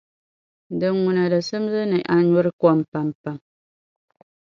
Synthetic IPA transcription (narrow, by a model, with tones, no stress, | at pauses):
dɨ˨nŋu˨na˨dɨ˨sɨ˦m˦zɨ˦nɨ˨ʔa˨ɲɔ˦ɾɨ˦kɔ˦mpa˨mpa˦m